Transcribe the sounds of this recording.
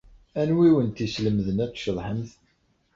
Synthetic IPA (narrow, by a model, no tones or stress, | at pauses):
ænwiwənt̪isləmðənæt̪ːʃəðˤħəmθ